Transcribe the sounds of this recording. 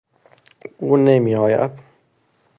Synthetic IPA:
uːnemiɒːja̰d̪̚

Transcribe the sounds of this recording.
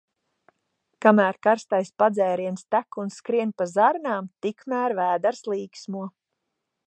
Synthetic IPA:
kamæːɾkaɾst̪ajspad̪zɛːɾiɛnst̪ækunskɾiɛnpazaɾnaːmt̪ikmæːɾvæːd̪aɾslˠiːksmuɔ

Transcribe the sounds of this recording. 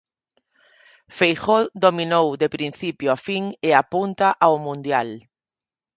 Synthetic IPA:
fejxod̪ominowðepɾin̟θipjoafiŋeapunt̪aʔaomũnd̪jal

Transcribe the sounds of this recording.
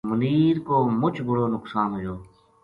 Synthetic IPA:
mʊniːɾkoːmʊt͡ʃʰbʊɽoːnʊksaːnɦojoː

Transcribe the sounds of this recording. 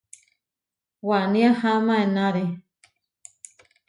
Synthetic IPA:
wanĩahamãenãɾe

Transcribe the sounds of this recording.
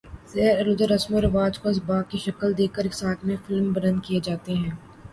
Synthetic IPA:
zɛɦəɾɐɾlʊd͡ʒəɾɐsmoɾɐʋaːd͡ʒkoɪs̬baːkiʃɐkəld̪eːkəɾɪksaːk̪mẽfɪlmbɐɾə̃nd̪̚kijed͡ʒaːt̪eɦɛ̃ː

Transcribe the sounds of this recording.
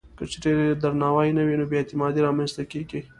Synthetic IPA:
kət͡ʃeɾed̪aɾnɑwajnawinobjaet̪ɪmɑd̪iɾɑmanst̪akeɡi

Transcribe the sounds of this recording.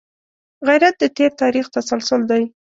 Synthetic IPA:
ɣajɾat̪̚d̪ət̪eɾt̪ɑɾixt̪asalsʊld̪aj

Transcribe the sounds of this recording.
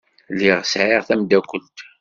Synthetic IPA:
liʁsʕiʁθæmd̪ækʷːəlt̪

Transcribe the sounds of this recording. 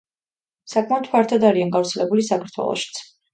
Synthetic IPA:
sakʰmaɔt̪ʰpʰaɾt̪ʰad̪aɾianɡaɾt̪sʰɛlɛbulisakʰaɾt̪ʰwɛ̰lˠɔ̰ʃi̥t̪sʰ

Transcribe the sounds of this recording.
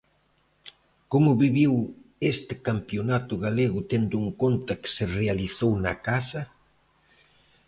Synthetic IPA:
komʊβiβiwest̪ɪkampjonat̪ʊɣaleɣʊt̪end̪ʊuŋkont̪ɐkɪ̥serealiθownɐ̰kasɐ

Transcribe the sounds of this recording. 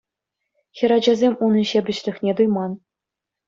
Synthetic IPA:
xʲɘ̆ɾɑd͡ʑɑzʲemʲunɤ̆ɕebʲɘ̆ɕlʲɘ̆xnʲet̪ujmɑn

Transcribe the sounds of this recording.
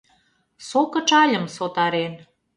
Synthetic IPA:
sokə̆t͡ʃɑlʲə̆msot̪ɑɾen

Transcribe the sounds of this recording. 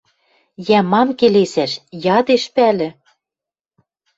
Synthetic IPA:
jæmɑmkelesæʃjɑd̪eʃpælɘ̆

